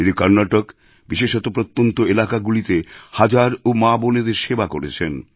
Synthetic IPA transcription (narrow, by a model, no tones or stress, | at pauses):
id̪ikʌɾnaʈok | biʃeʃɔt̪opɾot̪ːont̪oelakaɡulit̪ehad͡ʑaɾomaboned̪eɾʃebakoɾet͡ɕʰen